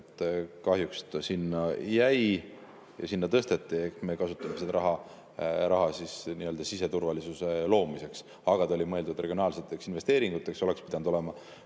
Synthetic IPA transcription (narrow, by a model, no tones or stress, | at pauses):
t̪ːˑkɑhjukst̪sinːɑjæj | jɑ̰sinːɑt̪ɤst̪e̞t̪ːˑie̞hkmekɑsut̪ːˑɑmesed̪ɾɑɦɑ | ɾɑɦɑsisniø̞ld̪ɑsise̞t̪urvɑlisuse̞lo̞ːmise̞ks | ɑɡ̥ɑt̪ɑolʲimɤe̞ld̪ud̪reɡionɑːlse̞t̪ːˑe̞ksinve̞st̪e̞ːɾiŋɡ̥ut̪ːˑe̞kso̞le̞kspid̪̥ɑnd̪o̞le̞mɑ